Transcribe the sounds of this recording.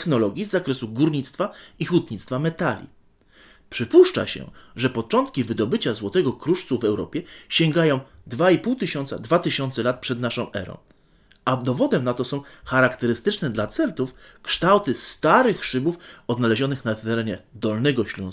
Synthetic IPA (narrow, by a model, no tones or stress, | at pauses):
xnɔlɔɡʲjizːakɾɛsuɡuɾɲit̪st̪faixut̪ɲit̪st̪famɛt̪alʲḭ | pʂɘpuʂt͡ʂa̰ɕɛ̰ʐɛpɔt͡ʂɔnt̪̚kʲivɘd̪ɔbɘt͡ɕazwɔt̪ɛɡɔkɾuʂt̪suvɛwɾɔ̰pʲjɛɕɛŋɡajɔ̃w̃d̪vaipuwt̪ɘɕɔnt̪sa̰d̪vat̪ɘɕɔnt̪sɛlat̪̚pʂɛd̪naʂɔ̃w̃ʔɛ̰ɾɔ̰̃w̃ | ad̪ɔvɔd̪ɛmnat̪ɔsɔ̃w̃xaɾakt̪ɛɾɘst̪ɘt͡ʂnɛd̪lat̪sɛlt̪ufkʂt̪awt̪ɘst̪aɾɘxʂɘbufɔd̪nalɛʑɔnɘxnat̪ɛɾɛɲɛd̪ɔlnɛɡɔɕlɔ̰̃